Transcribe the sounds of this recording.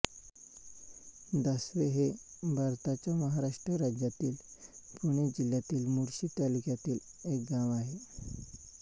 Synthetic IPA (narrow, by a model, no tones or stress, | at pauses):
d̪əsʋeɦebʱaɾt̪at͡ɕjaməɦaɾaʂʈɾəɾad͡ʑjat̪iːlpuɽ̃ed͡ʑiljat̪iːlmuɾɕiːt̪alikjat̪iːlek̚ɡaʋaɦe